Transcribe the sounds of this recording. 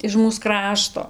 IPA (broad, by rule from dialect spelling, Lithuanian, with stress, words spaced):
ɪʃ ˈmuːs ˈkrɑːʃtoː